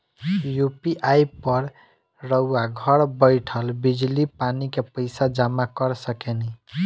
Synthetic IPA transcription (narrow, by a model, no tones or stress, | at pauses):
jupiʔajpəɾ | ɾəuaɡʱəɾbəɪʈʰəlbid͡ʒlipanikepəɪsad͡ʒamakəɾsəkenɛ